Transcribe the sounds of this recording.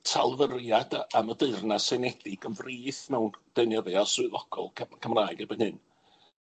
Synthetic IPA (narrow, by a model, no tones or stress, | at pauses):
tʰa̰lˠvərjadaamədɨrnasenɛd̥ɪɡ̥ənvriːθmɛwnd̥ənjəðɨɔsʊɨðɔɡ̥ɔ̰lˠʰkʰəmraːɨɡɛbənhɨn